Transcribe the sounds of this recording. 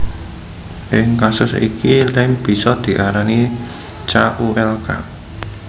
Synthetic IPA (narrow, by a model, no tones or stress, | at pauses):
ʔɪŋkasʊsḭkilɪŋb̥i̤sɔd̪̥i̤ʔaɾani | t͡ʃaʔuɛlka̰